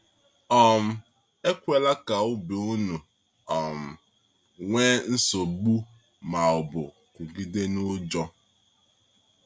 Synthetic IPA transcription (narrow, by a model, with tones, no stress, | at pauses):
ɔ˨m̩˦ | e˦kʷe˦la˦ka˨ʊ˦be˨u˦nu˨ | ɔ˨m̩˨ | ŋʷe˦n̩˦so˨ɡ͡bu˦ | ma˨ɔ˨bʊ̰˨ | kʷʊ˨ɡi˦de˦nʊ˦d͡ʒɔ˦